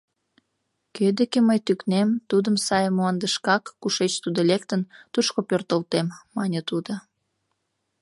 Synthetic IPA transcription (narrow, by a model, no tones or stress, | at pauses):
kød̪ekeməjt̪yknemt̪ud̪əmsɑjəmuɑnd̪əʃkɑkːuʃet͡ɕt̪ud̪olek̚t̪ənt̪uʃkopørt̪əlt̪emːɑnʲət̪ud̪o